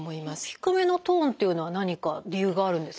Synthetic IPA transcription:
mo̞imasɨ̥çi̥kɯ̟me̞no̞t̪õ̞ːnt̪ːe̞iɯ̟no̞βanaɲ̟ikaɾʲijɯ̟ːɡaːɾɯ̟̃nd̪e̞s

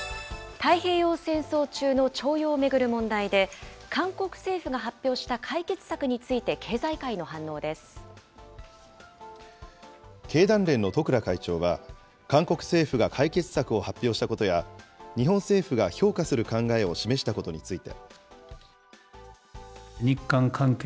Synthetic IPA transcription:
t̪aihe̞ːjo̞ːsẽ̞ɰ̃so̞ːt͡ɕɨːno̞t͡ɕo̞ːjo̞ːme̞ɡɯ̟ɾɯ̟mõ̞nd̪aid̪e̞kãŋko̞kɯ̟̥se̞ːɸɯ̟ɡaɦapʲːjo̞ːɕi̥t̪akʰaike̞t͡sɨ̥sakɯ̟ɲ̟it͡sɨit̪e̞kʰe̞ːzaikaino̞ɦãnːo̞ːd̪e̞sɨ̥ | ke̞ːd̪ãnɾẽ̞nːo̞t̪o̞kɯ̟ɾakait͡ɕo̞ːβ̞a | kãŋko̞kɯ̟̥se̞ːɸɯ̟ɡakʰaike̞t͡sɨ̥sakɯ̟o̞hapʲːjo̞ːɕi̥t̪ako̞t̪o̞jaɲ̟iɦõ̞ɰ̃se̞ːɸɯɡaço̞ːkasɨɾɯ̟kãŋɡae̞o̞ɕime̞ɕ̬i̥t̪ako̞t̪o̞ɲit͡sɨit̪e̞̰ | ɲikːãŋkʰãŋk

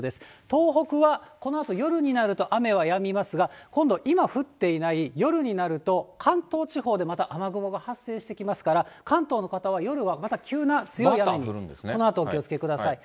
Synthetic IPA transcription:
d̪e̞sɨ̥t̪o̞ːɦo̞kɯ̟βako̞no̞at̪o̞jo̞ɾɯ̟ɲ̟inaɾɯ̟t̪o̞ʔame̞β̞ajamʲimasɨɡakõ̞nd̪o̞ʔimaɸɯ̟t̪ːe̞inaijo̞ɾɯ̟ɲ̟inaɾɯ̟t̪okʰãnt̪o̞ːt͡ɕiɦo̞ːd̪e̞mat̪aʔamaɡɯmo̞ɡahasːe̞ːɕi̥t̪ekʲimasɨ̥kaɾakãnt̪o̞ːno̞kat̪aβajo̞ɾɯ̟βamat̪akʲɨːnat͡sɨjo̞iameɲieskonoat̪oːkʲiot͡sɨ̥ke̞kɯd̪asai

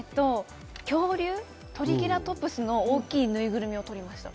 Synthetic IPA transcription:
t̪ːo̞ | kʲo̞ːɾʲɯː | t̪o̞ɾʲiɡʲiɾat̪o̞pːɯ̟sɨno̞oːkʲiːnɯ̟iɡɯ̟ɾɯ̟mʲio̞t̪o̞ɾʲimaɕi̥t̪a̰

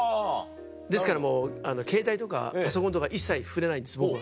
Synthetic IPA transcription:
d̪e̞sɨ̥kaɾamo̞ːanoke̞ːt̪ait̪o̞ka̰pasokõ̞nt̪okaʔisːaiɸɯ̟ɾe̞naĩnd̪esɨbok

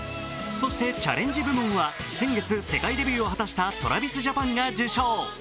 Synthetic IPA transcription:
so̞ɕi̥t̪e̞t͡ɕa̰ɾʔẽ̞ɲ̟d͡ʑibɯ̟mɯ̃ɰ̃βa | sẽ̞ŋɡe̞t͡sɨse̞kaid̪e̞bʲɨːo̞hat̪aɕi̥t̪at̪o̞ɾa̰bʲisɨʑapãŋɡad͡ʑɨːɕo̞ː

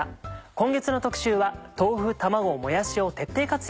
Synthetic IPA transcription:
kõ̞ŋɡe̞t͡sɨno̞t̪o̞kɯ̟̥ɕɨːβat̪o̞ːɸɯ̟t̪amaɡo̞mo̞jaɕio̞t̪e̞t̪ːe̞ːkat͡sɨ

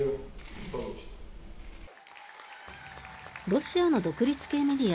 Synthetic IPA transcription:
ɾo̞ɕiano̞d̪o̞kɯ̟ɾʲit͡sɨ̥ke̞ːme̞d̪ʲia

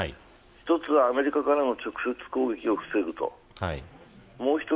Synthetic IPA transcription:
çi̥t̪o̞t͡sɨβaːme̞ɾʲikakaɾano̞t͡ɕo̞kɯ̟̥se̞t͡sɨ̥ko̞ːɡe̞kʲio̞ɸɯ̟̥se̞ɡɯ̟t̪o̞̰ | amo̞ːçi̥t̪o

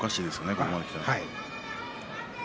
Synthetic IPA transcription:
kaɕiːd̪e̞sɨonekoomanokʲi̥t̪emaai

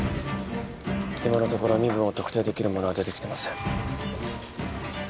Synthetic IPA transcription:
imano̞t̪o̞ko̞ɾo̞mʲibɯ̟̃ɰ̃o̞t̪okɯ̟̥t̪e̞ːd̪e̞kʲiɾɯ̟mo̞no̞ad̪e̞t̪e̞kʲi̥t̪e̞masẽ̞ŋ

